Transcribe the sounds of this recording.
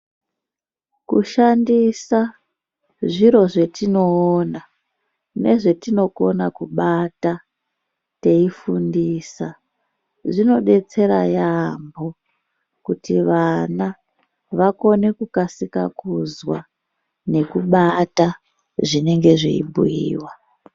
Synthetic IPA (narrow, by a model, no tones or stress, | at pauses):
kuʃandisa | ʐiɾo̞ʐe̞tino̞ːna | ne̞̰ʐe̞tino̞ko̞nakuɓata | te̞ifundiːsa | ʐino̞ɗe̞t͡se̞ɾa̰jambo̞ | kutiʋana | ʋako̞ne̞kukasika̰kuzwa̰ | ne̞kuɓata | ʐine̞ŋɡe̞ʐḭḭbʱṵjḭːwa